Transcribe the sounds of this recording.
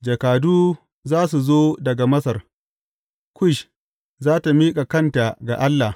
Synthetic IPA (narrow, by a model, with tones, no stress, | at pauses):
d͡ʒɐ˨kaː˨duː˦ | zaː˦s̬u˨zoː˦dɐ˨ɡa˨mɐ˦sɐ˨r | kʷʊ˦ʃ | zaː˦ta˨miː˦kʼa˨kɐ˦˨nta˨ɡa˨ʔa˦lːa˨